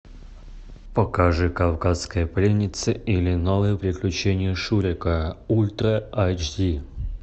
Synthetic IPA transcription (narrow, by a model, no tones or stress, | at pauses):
pəkaʐɨkafkaskəjəplʲenʲɪt̪sɨilʲɪnalˠɨjəpɾʲɪklʲʉt͡ɕenʲɪjəʂuɾʲɪkəulʲt̪rəat͡ɕdʲi